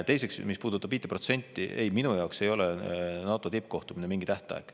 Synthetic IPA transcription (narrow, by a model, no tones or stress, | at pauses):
t̪e̞js̬e̞ksmispuːd̪̥ut̪ːˑɑb̥viːt̪ːepro̞t̪se̞nʲt̪ːˑiʔe̞̰jminujɑokse̞jo̞lɛnɑːt̪ːˑot̪ip̚ːko̞ht̪uminemiŋɡit̪æht̪ˑɑ̰eɡ̥